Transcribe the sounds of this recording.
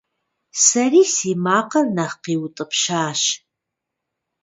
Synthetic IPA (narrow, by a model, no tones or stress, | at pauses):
sɐriːsiːmaːqɐrnɐχqiːwtʼɨpʃaːʃ